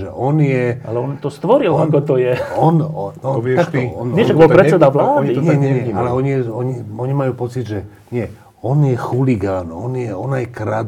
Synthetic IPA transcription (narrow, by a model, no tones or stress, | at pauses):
ʒɛ̰ʔɔnjɛalɛɔnt̪ɔst̪ʋɔɾilankɔt̪ɔjɛɔnɔakt̪ɔɔnɛʃaɡbɔpɾɛsɛd̪aʋlaːd̪iɲɛɲɛɲɛɲalɛɔɲijɛɔɲiɔɲimajuːpɔt͡sid̪ʒɛ | ɲɪɛ | ɔnjɛxuliɡaːnɔnjɛɔnajkɾad̪